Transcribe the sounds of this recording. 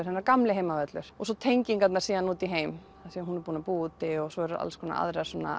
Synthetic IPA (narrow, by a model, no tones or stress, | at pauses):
ɪɾ̥hɛnːaɾkamlɪɦeːjmavɛt̪lʏɾ̥ɔsɔt̪ʰejɲciŋkat̪naɾsiːðanuːt̪iɦeːjm | asɛmɦunɛɾpuːnapuːt̪ɪɔɣsɔɛɾa̰lskʰɔna̰ʔa̰ðɾɛasɔːna̰